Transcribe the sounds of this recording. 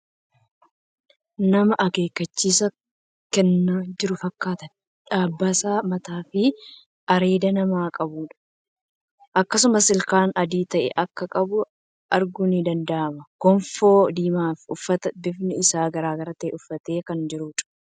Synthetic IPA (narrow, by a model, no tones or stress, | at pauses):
nɐmɐʔɐke̞ːkːɐt͡ʃːiːsɐ | kɛnːaːd͡ʒɪɾʊfɐkːaːt̪ɐ | ᶑaːbːasaːmɐt̪aːfɪ | ʔɐɾe̞ːd̪ɐnɐmaːkʼɐbuːᶑɐ̥ | ʔɐkːɐs̬ʊmɐsɪlkaːnɐd̪iːt̪ɐʔɛ̰ʔɐkːɐkʼɐbʊ | ʔɐɾɡʊnɪd̪ɐnd̪ɐʔɐmɐkɔɱfoːd̪iːmaːfʊfːɐt̪ɐbɪfnɪɪsaːɡɐɾaːɡɐɾɐt̪eːʔʊfːɐt̪e̞ːkɐnd͡ʒɪɾuːᶑɐ̥